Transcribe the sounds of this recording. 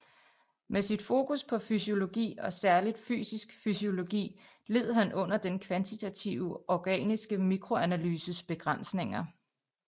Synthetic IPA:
mesid̥fo̝ːkuspʰɒ̽fysio̝lo̝ɡ̥ḭːɒ̽sæɐlid̥fy̰ːsisɡ̥fysio̝lo̝ɡ̥ḭː | le̝ð̰ˠɦænʔɔ̽n̰ɐd̥enkʰʋænt͡sʰit͡sʰæt͡sʰiʊɒɡ̥ɛ̰ːnisɡ̥əmiɡ̥ʰʁo̝ænælyːsəsb̥e̝ɡ̥ʁɑn̰sne̝ŋɐ

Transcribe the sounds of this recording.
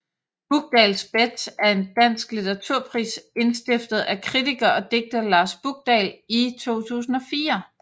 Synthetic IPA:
b̥uɡ̥̚d̥ɛːlsb̥ed̥sæɐe̝nd̥æn̰sɡ̥lit͡seʁɑ̈t͡sʰuɐ̰pʰʁḭːse̝nsd̥e̝fd̥ð̞̩ˠækʰʁit͡sʰiɡ̥ɐɒ̽d̥e̝ɡ̥̚d̥ð̩ˠlɑ̈ːsb̥uɡ̥̚d̥ɛ̰lit͡sʰo̝̰ːt͡sʰṵːsn̩ɒ̽fiːɐ

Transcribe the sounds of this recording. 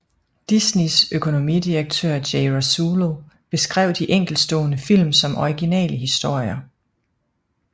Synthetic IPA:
d̥isnisøkʰo̝no̝mid̥iʁɐɡ̥̚t͡sʰøɐ̰d̥eɪʁæsuːlo | b̥e̝sɡ̥ʁɛ̰ʊ̰d̥iʔeŋ̰ɡ̥l̩̥sd̥ɔ̰ːnəfil̰msɒ̽mʔɒiɡ̥inɛ̰ːləɦisd̥o̝ɐ̰jɐ

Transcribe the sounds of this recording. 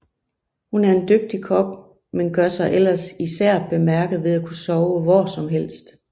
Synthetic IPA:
hunæɐe̝nd̥øɡ̥̚d̥ikʰɒ̽b̥ | menɡ̥ɶɐsɑ̈ɪʔel̰ɐsisæɐ̰b̥e̝mæɐɡ̥ð̩ˠʋe̝ðˠækʰusɒʊəʋɒsɒ̽mɦel̰sd̥

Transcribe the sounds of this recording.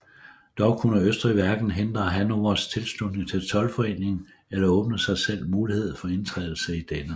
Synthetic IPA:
d̥ɒʊkʰunəøsd̥ʁiʋæɐɡ̥n̩ɦend̥ʁɐɦænoɐst͡sʰe̝lsd̥udneŋt͡sʰe̝lt͡sʰɒ̽lfɒ̽e̝̰ːne̝ŋn̩ | elɐɔ̽ːb̥nəsɑ̈ɪsel̰muːlihe̝ð̞̰ˠfɒ̽e̝nt͡sʰʁɛ̰ðˠl̩səid̥enə

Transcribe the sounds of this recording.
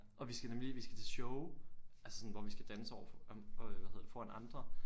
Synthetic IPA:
ʔɒ̽ʋisɡ̥ænemliliʋisɡ̥æ̥t͡sʰe̝lɕɔʊælsə̥sɒ̽n̩ʋɒʋisɡ̥æd̥ænəsəɒ̰ʊ̰ɐfɒʋæðhe̝ðˠd̥fɒænɑ̈nd̥ʁɐ

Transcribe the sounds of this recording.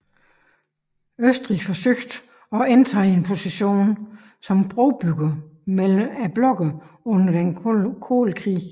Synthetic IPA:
øsd̥ʁḭfɒ̽søɡ̥d̥ | ɒ̽ent͡sʰɑ̰ːie̝npʰo̝siɕo̝̰ːn | sɒ̽mb̥ʁoʊb̥yɡ̥ɐmelæb̥lɒ̽ɡ̥ð | ɔ̽n̰ɐd̥enkʰo̝̰ːlkʰʁḭː

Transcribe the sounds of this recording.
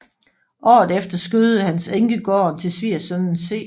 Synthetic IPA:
ʔɒ̰ːð̩ˠefd̥ɐsɡ̥øð̩ˠəhænseŋɡ̥əɡ̥ɒ̰ːnt͡sʰe̝lsʋiɐsønn̩se̝̰ː

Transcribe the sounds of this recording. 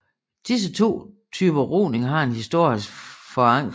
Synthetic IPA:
d̥is̬ət͡sʰo̝̰ː | t͡sʰyːb̥ɐʁo̰ːne̝ŋɦɑ̈e̝nhisd̥o̝ɐ̰jəsfɒ̽ɑ̈ŋ̰

